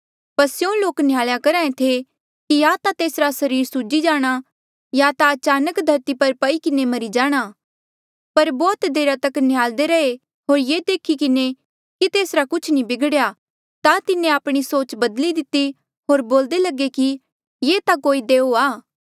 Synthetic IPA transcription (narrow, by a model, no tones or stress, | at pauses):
pɐsjõloːknɪjaːɭjakɐɾaːẽt̪ʰe | kijat̪at̪eːsɾasɐɾiːɾsud͡ʒid͡ʒaːɽ̃a | jat̪aɐt͡ʃaːnəkd̪ʱɐɾt̪ipɐɾpɐikɪnemɐɾid͡ʒaːɽ̃a | pɐɾbɔːt̪d̪eːɾat̪ɐknɪjaːld̪eɾɐe | ɦoːɾjeːd̪eːkʰikɪne | kit̪eːsɾakʊt͡ʃʰnĩbɪɡɽja | t̪at̪ɪnẽaːpɽ̃isoːt͡ʃbɐd̪lid̪ɪt̪ːi | ɦoːɾboːld̪elɐɡeki | jeːt̪akoːid̪eːoaː